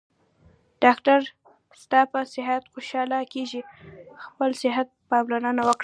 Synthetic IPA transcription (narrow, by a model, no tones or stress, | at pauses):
ɖ̥ɑkʈaɾ | st̪ɑpəsɪɦat̪xoʃɑlakeʒixpəlsɪɦat̪̚pɑmlonənawəkɽ